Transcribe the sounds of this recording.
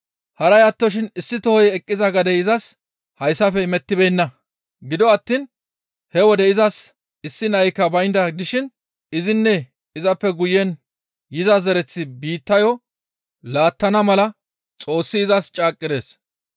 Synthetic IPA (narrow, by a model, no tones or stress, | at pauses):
hɐɾɐjɐt̪ːɔʃ̬ɪnɪsːɪt̪ɔhɔjɛkʼːɪzɐɡɐd̪ɛɪzɐs | hɐjsːɐfɛmɛt̪ːɪbeːnːɐ | ɡɪd̪ɔɐt̪ːiːn | hɛwɔd̪ɛɪzɐs | ɪsːɪnɐjkːɐbɐjnd̪ɐd̪ɪʃɪn | ɪzɪnːɛ | ɪzɐpːɛɡʊjːɛn | jɪzɐzɛɾɛt͡sːɪbiːt̪ːɐjɔ | laːt̪ːɐnɐmɐlɐ | t͡sʼo̞ːsːɪːzɐst͡ʃʼaːkʼːɪd̪e̞̰ːs